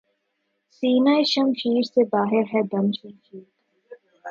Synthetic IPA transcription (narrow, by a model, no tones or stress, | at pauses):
siːnaːeʃɐmfiːɾsebaːɦɪɾɦɛd̪ɐmʃɐ̃mfiːɾ